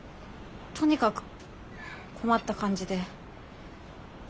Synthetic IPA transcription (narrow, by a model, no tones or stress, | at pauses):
t̪ʰoɲikak | kʰomat̪͈ːakʰand͡ʑid̪e̞